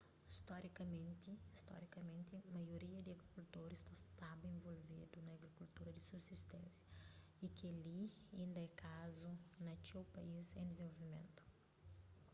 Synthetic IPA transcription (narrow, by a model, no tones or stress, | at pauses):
ist̪ɔɾikɐmẽnt̪ɪist̪ɔ̰ɾikɐmẽnt̪ɪmɐjoɾiɐd̪ɪɐɡɾikult̪oɾist̪ɐst̪abɐẽvolvid̪unɐːɡɾikult̪uɾɐd̪ɪsubsist̪ɛ̃nsjɐ | ikɪɐli | ɐĩnd̪ɐɛkʰazunɐkewpɐizẽj̃d̪ɪzẽvolvimḛ̃nt̪u̥